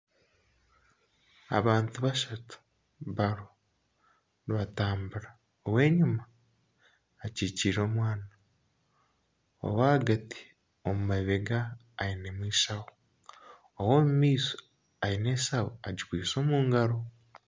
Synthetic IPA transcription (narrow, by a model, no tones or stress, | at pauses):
a̰βaːntuβaʃatu̥ | βaɾo | ɾiβataːmbuɾa | owe̞ːɲuma | ciːciɾo̞ːmwaːna | o̰waaɡati̥ | omumaβeɡaː | ine̞mwiːsawo | owoːmumiːso̥ | aine̞ːsawoaɟikwiːso̞ːmuːŋɡaɾo̞